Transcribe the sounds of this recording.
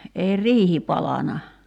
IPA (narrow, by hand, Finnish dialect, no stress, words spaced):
ei riːhi pɑlɑnɑ